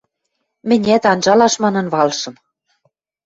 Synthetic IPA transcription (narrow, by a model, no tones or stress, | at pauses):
mɘ̆nʲæt̪ɑnʒɑlɑʃmɑnɤ̆nβɑlʃɤ̆m